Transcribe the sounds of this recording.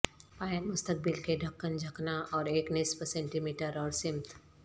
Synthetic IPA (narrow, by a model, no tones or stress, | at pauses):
paːjənmʊst̪ək̚bɪlkeɖʱɐkːənd͡ʒʱɐknaʔɔːɾeːknɪspəsɛ̃ːɳʈimiːʈəɾɔːɾsɪmt̪ʰ